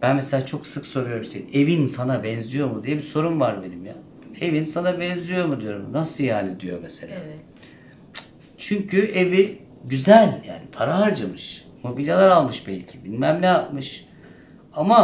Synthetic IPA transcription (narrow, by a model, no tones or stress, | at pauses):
b̥ænmeselʲaːt͡ʃʰo̞ksɯkso̞ɾujo̞ɾumʃeine̞vinsanabɛnzijo̞ɾmud̪ijɛbiso̞ɾumvaɾbe̞nimja | e̞vinsanabɛnzijo̞ɾmud̪ijo̞ɾumnasɯjaːnid̪ijo̞̰mese̞̰lʲaː | t͡ʃʰyɲcʰye̞vi | ɟyzælʲja̰ːnipʰaɾaaɾd͡ʒamɯʃ | mo̞bilʲalˠaɾalˠmɯʃbɛlʲcʰibilʲmæmnejap̚mɯʃ | ama